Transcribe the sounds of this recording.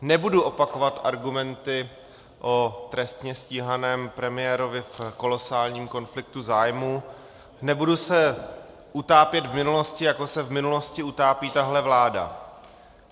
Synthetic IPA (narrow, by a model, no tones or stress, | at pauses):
nɛbuduʔo̞pakovat̪ʔaɾɡumɛnt̪ɪ | ʔo̞t̪ɾɛst̪ɲɛsciːɦanɛːmpɾɛmɪjɛɾo̞vɪfko̞lo̞saːlɲiːmko̞nflɪk̚t̪uzaːjmu | nɛbudusɛ | ʔut̪aːpjɛt̪vmɪnulo̞scɪjako̞sɛvmɪnulo̞scɪut̪aːpiːt̪aɦlɛvlaːda̰